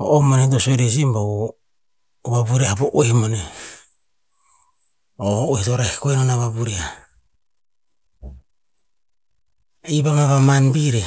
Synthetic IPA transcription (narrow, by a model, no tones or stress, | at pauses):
o̰ʔomonedosojɾes̬imba | βabuɾeaboʔoehmone | ooohitoɾaikoinonaβabuɾia | iβamaβamanbiɾe